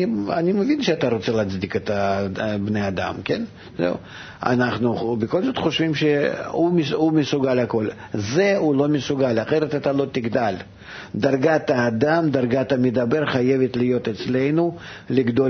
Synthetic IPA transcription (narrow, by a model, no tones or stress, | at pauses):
a̰nʲiməvʲinʃeat̪aɾot̪sɛlˠat̪t͡s̪d̪ʲiket̪ɐbnejad̪a̰mkʲḛn | zɛ̰ṵ | a̰naχnubʲɪko̞lʲzo̞t̪χo̞ʃvʲimʃeumɪumʲɪsʊɡalʲako̞lʲ | zɛulˠomʲɪsʊɡalʲaχeɾət̪at̪alˠo̞t̪ʲɪɡd̪alʲ | d̪arɡat̪ɐːd̪amd̪arɡat̪ɐmʲɪd̪aberχaje̞vʲet̪lʲɪjo̞t̪ɛt̪slʲe̞jnulʲɪɡd̪o